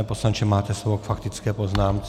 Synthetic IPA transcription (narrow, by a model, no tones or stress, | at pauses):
ɛːposlant͡ʃɛmaːt̪ɛsobokfakt̪ɪt͡skɛːpoznaːmt͡s